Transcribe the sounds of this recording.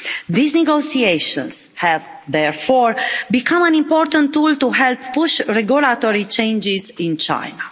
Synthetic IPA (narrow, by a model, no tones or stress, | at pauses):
ðisneɡosieʃɔ̰̃nshɛv | d̪ɛɹfɔɹbikʰãmãnĩmpɔɾt̪ə̃nt̪ːult̪uɦɛlpːuʃɹɛɡulat̪oɾit͡ʃẽjnd͡ʒizĩnt͡ʃa̰jna